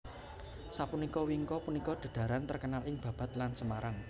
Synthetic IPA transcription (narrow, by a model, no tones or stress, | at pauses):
sapunikɔwiŋkɔpunikɔɖ̪̥a̤ɖ̪̥ä̤ɾant̪ərkənalɪŋb̥ä̤b̥a̤t̪lansəmaɾaŋ